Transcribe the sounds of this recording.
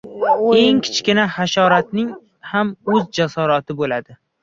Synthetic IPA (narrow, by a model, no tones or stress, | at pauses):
e̞ŋkʲʰɪ̥t͡ʃkʲɪnahaʃɒɾat̪̚nɪŋ | hamɵzd͡ʒasɒɾɒt̪ʰɪbolad̪ɪ